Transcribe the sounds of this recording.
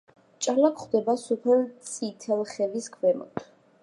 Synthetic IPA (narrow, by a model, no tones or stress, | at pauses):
t͡ʃʼalakʰχd̪ɛbasupʰɛlt̪sʰit̪ʰɛlˠχɛviskʰvɛmɔ̰t̪ʰ